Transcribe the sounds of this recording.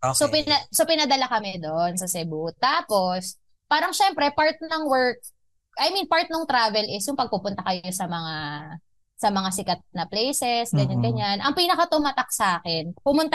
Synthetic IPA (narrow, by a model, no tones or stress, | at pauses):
sopɪɐsopɪnɐd̪ɐlakɐmɛd̪onsɐsɛbut̪aːpo̞s | paːɾɐŋʃɛmpɾɛpaɹt̪̚nɐŋwɛɹk̚ | ʔɐjminpaɹt̪̚noŋt̪ɾaːvɛlɪsjʊŋpɐɡ̚pupʊnt̪ɐkɐjo̞sɐmɐŋa | sɐmɐŋasɪkɐt̪̚nɐplejsɛsɡɐɲanɡɐɲanʔɐŋpiːnɐkɐt̪ʊmat̪ɐk̚saːkɛnpʊmʊnt̪a